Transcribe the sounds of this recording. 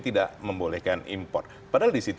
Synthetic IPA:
t̪idaʔməmbolɛhkanḭmpɔ̰rt̪̚ | padaaldisit̪

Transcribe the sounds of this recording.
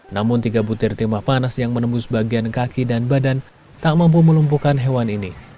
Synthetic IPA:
namʊnt̪iɡabut̪ɪrt̪imahpanasjaŋmənəmbusbaɡiankakidanbadan | t̪aʔmamp̬uməlump̬ukanɦewanini

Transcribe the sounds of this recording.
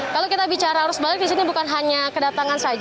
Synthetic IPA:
kalowkit̪abit͡ʃaɾaːɾʊsbalɪk̚disinibukanɦaɲakədat̪aŋansad͡ʒ

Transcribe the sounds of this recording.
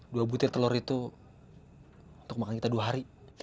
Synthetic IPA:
duabut̪ɪrt̪əlɔɾit̪u | unt̪ʊk̚makankit̪aduaɦaɾi

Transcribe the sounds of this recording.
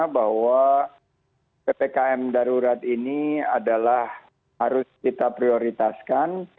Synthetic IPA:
abaɦwa | pepekaɛmdaɾuɾat̪inia̰dalah | haɾʊskit̪apɾioɾit̪askan

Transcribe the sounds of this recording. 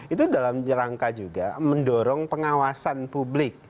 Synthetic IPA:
it̪udalamd͡ʒəɾaŋkad͡ʒuɡaməndɔɾɔŋpəŋawasanpublɪk̚

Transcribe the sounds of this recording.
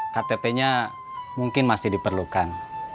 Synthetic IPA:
kat̪epeɲa | muŋkɪnmasɪhdipərlukan

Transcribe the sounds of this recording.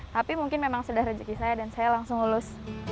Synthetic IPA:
t̪apimuŋkɪnmemaŋsudahɾəd͡ʒəkisajadansajalaŋsʊŋulʊs

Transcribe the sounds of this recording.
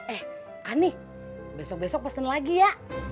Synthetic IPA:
ɛh | ʔani | bɛsɔk̚bɛsɔk̚pasənlaɡijaʔ

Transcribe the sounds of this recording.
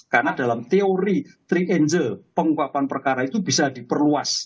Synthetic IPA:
karnadalamt̪eoɾit̪ɾiʔend͡ʒəlpəŋukapanpərkaɾait̪ubisad̥ipərluas

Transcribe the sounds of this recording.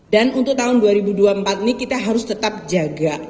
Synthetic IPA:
danunt̪ʊk̚t̪aɦʊnduaɾibuduaəmpat̪̚inikit̪aɦaɾʊst̪ət̪ap̚d͡ʒaɡa

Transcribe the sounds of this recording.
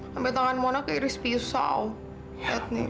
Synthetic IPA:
ambɛt̪aŋanmɔnakaiɾɪspisa̰w | ɛt̪̚ni

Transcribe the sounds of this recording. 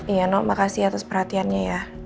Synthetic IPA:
ijanɔʔmakasiat̪aspərhat̪ianɲaja

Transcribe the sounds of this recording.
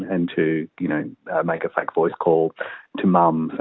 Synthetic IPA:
ɨ̃ntʰɨjɨñoʊʌmeɪkɨfækv̥ɔɪskʰɔlˠtʰɨmʌ̃mz̥ɨ̃

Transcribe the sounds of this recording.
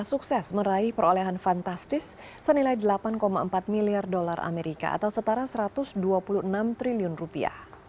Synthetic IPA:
suksɛsməɾaɪhpəɾoleɦanfant̪ast̪ɪsː | ənilajdəlapankomaəmpat̪̚miliardolarʔa̰meɾika̰a̰t̪awsət̪aɾasəɾat̪ʊsduapuluhənamt̪ɾiliʊnrupia̰h

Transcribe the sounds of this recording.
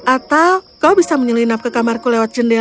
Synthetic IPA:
ʔat̪awkaubisaməɲəlinap̚kəkamarkulɛwat̪̚d͡ʒənde

